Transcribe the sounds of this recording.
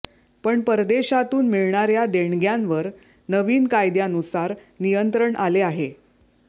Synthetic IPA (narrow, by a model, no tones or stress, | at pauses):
pəɳpəɾd̪eɕat̪uːnmiɭɳaɾjad̪eɳɡjanʋəɾ | nəʋiːnkajd̪janusaɾ | nijənt̪ɾəɳʔaleaɦe